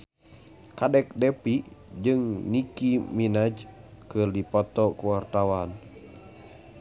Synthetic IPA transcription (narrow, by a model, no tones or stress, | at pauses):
kadɛk̚dɛpid͡ʒɨŋnikiminad͡ʒkɨrdipɔt̪ɔkuwart̪awan